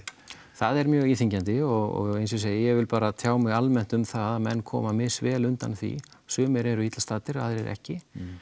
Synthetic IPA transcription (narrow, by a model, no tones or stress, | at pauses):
θaðɛɾmjœːɣiːθiɲcant̪ɪɔɣɔ̰ɣejnsʏseːjɪjɛɣvɪlpaːɾat̪ʰjaːwmɪalmɛn̥t̪ʏmθaðaðamɛnːkʰɔ̰ːmamɪðsvɛːlʏnt̪a̰nθvḭ | sʏːmɪɾɛɾʏit̪last̪aːt̪ɪɾa̰ðɾɛɾʔɛ̰hcɪ